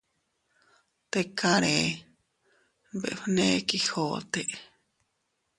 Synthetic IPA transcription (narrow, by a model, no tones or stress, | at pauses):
t̪ekaɾe | bḛʔɸnekihoːt̪eʔ